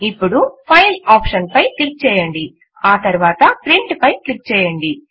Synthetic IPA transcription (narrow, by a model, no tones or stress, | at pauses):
ipːuɽupʰɐjlaːpʂɐnpɐjklik̚t͡ʃɛːjɐɳɖi | aːt̪ɐɾuʋaːt̪ɐpɾiɳʈpɐjklik̚ːt͡ʃɛːjɐɳɖi